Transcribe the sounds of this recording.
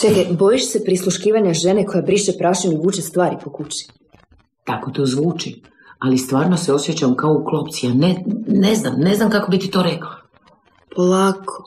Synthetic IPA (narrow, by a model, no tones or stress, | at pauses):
t̪eɡ̪ebojiʃsepɾislˠuʃkiːʋaɲaʒeneko̞jabɾiʃepɾaːʃanuvuːt͡ʃest̪ʋaːɾipo̞kut͡ɕi̥ | t̪ako̞t̪oːzʋuːt͡ʃi | alist̪ʋaːɾnoseo̞sjet͡ɕamkaouklˠopt̪sianeneznamneznamkakobit̪it̪o̞ːɾeklˠa | pʰolaːkʰo̥